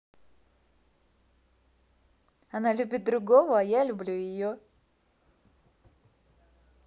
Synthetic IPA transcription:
ɐnalʲʉbʲɪt̪̚d̪ɾʊɡovəɐjalʲʊblʲujɪjo

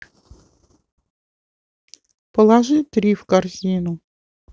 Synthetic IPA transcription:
pɔlˠɑʒɪt̪ɾʲiwkɐrzʲinʊ

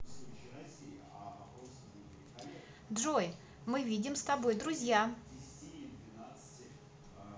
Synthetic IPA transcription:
d̪ʐoj | mɨvʲidʲɪmst̪ɐbo̞jd̪ɾʊzʲja

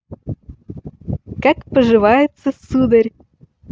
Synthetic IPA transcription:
kɑkpəʒɨvɑjɪt̪t͡sːəsud̪ərʲ

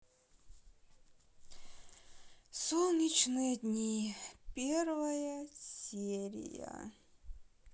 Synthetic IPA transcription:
solˠnʲit͡ɕnɨjəd̪ʲnʲipʲervɐjəsʲeɾʲɪ̰jə̰

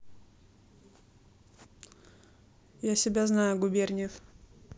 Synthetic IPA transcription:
jasʲɪbʲaznajʊɡʊbʲerʲnʲɪf

